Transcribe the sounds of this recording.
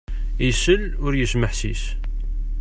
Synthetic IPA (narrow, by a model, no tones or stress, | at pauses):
isəl | ʊɾjəʃməħsis